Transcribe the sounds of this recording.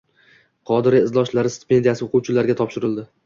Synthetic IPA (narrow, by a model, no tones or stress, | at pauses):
qʰɒd̪ɪɾiɪzlˠɒʃlaɾɪst̪ɪ̥pʰʲe̞nd̪ijasɪoqʰuwt͡ʃʰɪlaɾɡʲat̪ʰɒpʃɪɾɪlˠd̪ɪ